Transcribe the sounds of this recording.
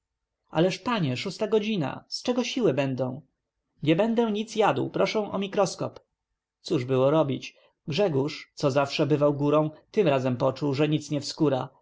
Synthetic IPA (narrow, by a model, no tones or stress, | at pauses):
a̰lɛʂpaɲɛʂust̪aɡɔd͡ʑina̰st͡ʂɛɡɔɕiwɘbɛnd̪ɔ̃w̃ | ɲɛbɛnd̪ɛɲit̪sjad̪wpɾɔʂɛ̃w̃ʔɔmʲikɾɔskɔ̰p | t̪suʐbɘwɔɾɔbʲit͡ɕ | ɡʐɛɡuʂt̪sɔzafʂɛbɘvawɡuɾɔ̃w̃t̪ɘmɾazɛmpɔt͡ʂuwʐɛɲit̪sɲɛfskuɾa